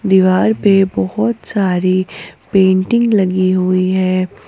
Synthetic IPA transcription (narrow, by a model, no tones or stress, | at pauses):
d̪iʋaːɾpebɔɦɔt̪saːɾipẽːɳʈɪ̃ŋɡlɐɡiɦuiɦɛː